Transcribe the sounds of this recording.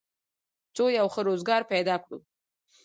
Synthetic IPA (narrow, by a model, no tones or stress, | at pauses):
t͡sojawxəɾozɡɑɾped̪ɑkɽṵ